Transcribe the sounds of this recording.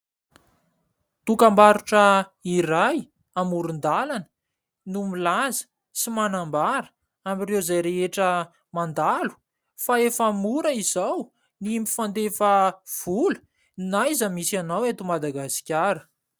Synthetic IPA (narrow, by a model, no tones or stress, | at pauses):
t̪ukambaɾuʈ͡ʂəiraj | amuɾund̪alanə̥ | numilazə̥ | simanambaɾə̥ | amirewzajɾeɦeʈ͡ʂə | mand̪alu̥ | faefamuɾəizaw | niimifand̪efəv̥ulə̥ | najzəmisanawet̪umad̪aɡasi̥kʲaɾə̥